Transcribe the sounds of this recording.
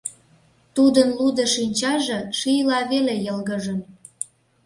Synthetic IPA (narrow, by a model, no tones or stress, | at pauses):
t̪ud̪ənlud̪ə̆ʃinʲt͡ɕɑʒĕʃijlɑβelejəlɣəʒə̆n